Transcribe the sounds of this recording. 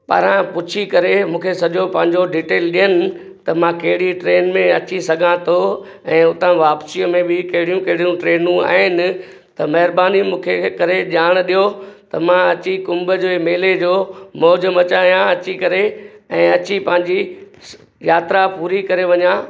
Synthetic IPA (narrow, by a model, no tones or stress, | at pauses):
pɐ̰ɾãpʊt͡ɕʰikɐɾemũːkʰesɐʄopɐ̃ɦɪ̃ɲd͡ʑoɖiːʈeːlɗijənɪ̆ | t̪ɐmãkɐɦɪɽiʈɾeːnmẽɐt͡ɕisɐɡʱãt̪ʰo | ɛ̃ːʊt̪ãʋaːpsijəmẽbɪkɐɦɪɽijũkɐɦɪɽijũʈɾeːnũa̰ːɦɪnɪ̆ | t̪ɐmɐɦɪɾbaːnimũːkʰekɐɾeʄaːɽ̃̆ɗijot̪ɐmãɐt͡ɕikʊ̃mbəd͡ʑoːmeːled͡ʑoːmɔːd͡ʑəmɐt͡ɕaːijãɐt͡ɕikɐɾeɛ̃ːɐt͡ɕipɐ̃ɦɪ̃ɲd͡ʑi | jaːt̪ɪɾapuːɾikɐɾeʋɐɲã